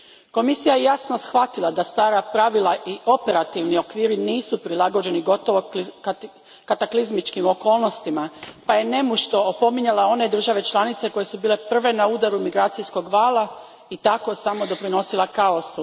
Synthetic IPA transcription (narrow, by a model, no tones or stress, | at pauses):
ko̞misijaje̞jasno̞sxʋat̪ilˠad̪ast̪aːɾapɾaʋilˠaʔio̞pe̞ɾat̪iʋnio̞kʋiːɾiniːsupɾilˠaɡo̞d͡ʑe̞niɡo̞t̪o̞ʋo̞ | kat̪aklizmit͡ʃkimo̞ko̞ːlˠno̞st̪imapaje̞ne̞muʃt̪o̞opo̞miɲalao̞ne̞d̪r̩ʒaʋe̞t͡ʃlˠanit̪se̞ko̞je̞subiːle̞pr̩ʋe̞nauːd̪aɾumiɡɾaːt̪sijsko̞ɡʋaːlˠa | it̪ako̞samo̞d̪o̞pɾino̞silˠakao̞su